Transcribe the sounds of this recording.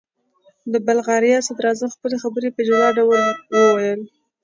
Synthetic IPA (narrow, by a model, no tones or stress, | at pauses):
d̪əbalɣɑɾjɑsad̪ɾɑzamxpəlexabəɾepəd͡ʒlɑɖawəlwəwajəl